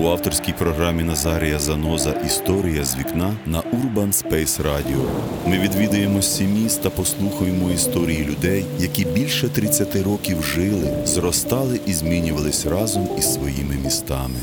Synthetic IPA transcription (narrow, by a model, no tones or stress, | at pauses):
uɑwt̪ɔrsʲkʲijpɾɔɦɾɑmʲinɐzɑɾʲijɐzɐnɔzɐʔist̪ɔɾʲijɐzʲʋʲiknɑnɐʔurbɐnspɛjsrɑdʲiɔ̰ | mɪʋʲid̪ʋʲid̪ɐje̞mɔsʲimʲist̪t̪ɐpɔslˠuxɐjemɔist̪ɔɾʲijilʲʊd̪ɛjːɐkʲibʲilʲʃɛt̪ɾɪt͡sʲːɐt̪ɪɾɔkʲiwʒɪlˠɪzrɔst̪ɑlˠɪʔizʲmʲinʲʊʋɐlˠɪsʲrɑzɔmisʋɔjimɪmʲist̪ɑ̰mɪ